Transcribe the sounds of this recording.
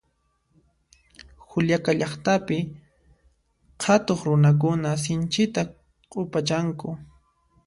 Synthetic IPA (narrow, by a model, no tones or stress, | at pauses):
xʊljakaʎɑχt̪apɪ | qʰat̪oχɾʊnak̬ʊnas̬ɪnt͡ʃɪt̪a | qʼʊpat͡ʃaŋkʊ